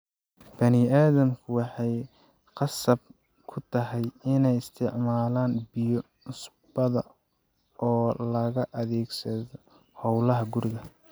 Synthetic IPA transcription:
b̥ɐnɪaːðɐmkʰʊwɑħɑj | qɑsɐb̚ | kʰʊt̪ʰɐɦɛjɪnɛjɪst̪ʰɪʕmaːlaːnbijɔ | nʊs | bɐðɐ | ʔɔːlɐɣɐʔɐðɛːɡsɐðɔ | hɔwlɐɦɐɡʊɾɪɣɐ

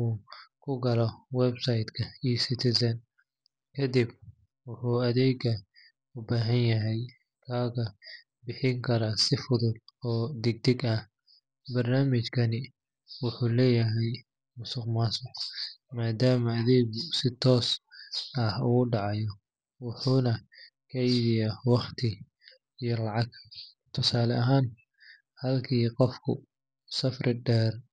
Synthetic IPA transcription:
ukʰʊɡɐlɔwɛbsɐjd̪kʰɐijsɪt̪ʰɪsɐn | kʰɐd̪ib | wʊħuːɐðɛːɡɐ | ʊbaːɦɐnjɐɦɛj | kʰaːɣɐ | bɪħɪŋkʰɐɾaːsɪfʊðʊd̪̚ɔːd̪ɛɡ̚d̪ɛɡɐh | bɐrnaːmɪt͡ʃkʰɐnɪ | wʊħuːlɛːjɐɦɛj | mʊsʊqmaːsʊqmaːd̪aːmɐːðɛːɡʊsɪt̪ʰɔːs | ɐhʊʊɖɑʕɑjɔ | wʊħuːnɐkʰɛjβɪjawɑχt̪ʰɪ | ijɔlɑʕɑɡ | t̪ʰʊsaːlɛʔɐɦaːn | hɐlkʰiːqɔfkʰʊ̰ | sɐfrɪɖɛːr

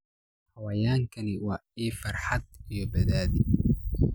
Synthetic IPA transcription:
hɐwaːjaːŋkʰɐnɪwɑːiːfɐrħɑd̪ijɔbɛðaːðɪ

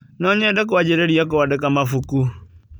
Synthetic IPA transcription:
nɔɲadak̬uwad͡ʒɛɾeɾiak̬ɔadɛkamafuku

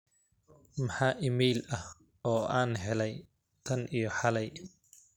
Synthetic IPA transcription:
mɐħaːʔɪmɛːlɐh | ɔːʔaːnɦɛlɛj | t̪ʰɐnʔijɔħɑlɛj

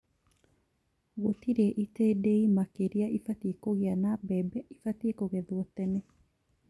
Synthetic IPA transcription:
ɣotiɾeʔitedeimakeɾiaʔifatiekoɣeanabɛbɛifatiekoɣɛðwɔt̪ːɛnɛ

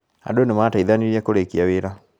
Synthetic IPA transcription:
ha̰donemataiðaniɾiɛkoɾekiaweɾa

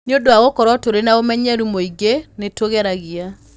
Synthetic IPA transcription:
neodoaɣokɔɾɔtoɾenaomɛɲɛɾumoiɡenetoɣɛɾaɣia

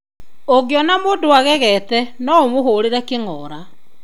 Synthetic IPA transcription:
oɣejɔnamoːndowaɣɛɣɛtɛnɔomoɦoːɾeɾɛkeŋɔːɾa

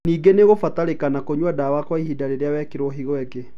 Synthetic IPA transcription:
niːɡeneɣofataɾekanakoɲwadawakwaihidaɾeɾeawɛkeɾoɦiɣwɛɡe

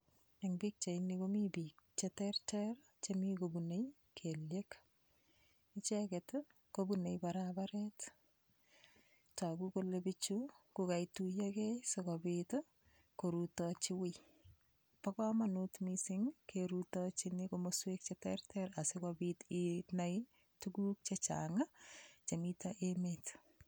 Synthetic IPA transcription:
eŋbik̚t͡ʃeinikomibik̚t͡ʃetɛrtɛɾ | t͡ʃemikobunej | kʰeljek | ɪt͡ʃeket | kobunejbaɾabaɾɛt | takukolebɪt͡ʃukʊkajtujekesokobɪto | koɾutɔt͡ʃɪwɪ | pakɔmanutmisɪŋkʰeɾutɔt͡ʃɪnɪkomoswek̚t͡ʃetɛ̰ɾtɛɾasɪkobititnaj | tuɡuk̚t͡ʃet͡ʃa̰ŋat͡ʃemitaʔemet

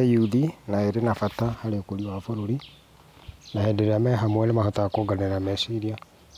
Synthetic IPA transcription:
juuðinaeɾenafatahaɾekoɾiwafoɾoɾi | nahɛdeɾeamɛɦamwɛnemahɔtaakoɡaneɾamɛsiɾia

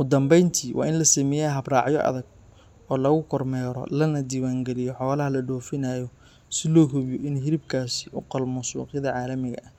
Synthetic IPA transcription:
ʊd̪ɐmbɛjnt̪ʰiːwʔɑ̰ːɪnlɐsɐmɛjaːɦɐbrɑːʕjɔ̰ʔɐ̰ðɐɡ | ɔːlɐɣʊkʰɔrmɛːɾɔ̰lɐnɐd̪iːwaːŋɡɛlɪjɔħɔːlɐɦɐlɐɖɔːfɪnajɔ | sɪlɔːɦʊβjɔʔɪnɦɪɾɪb̚kʰaːsɪʔʊqɔlmuːsṵːqjðɐʕɑːlɐmɪɣɐ̰ʔɐh

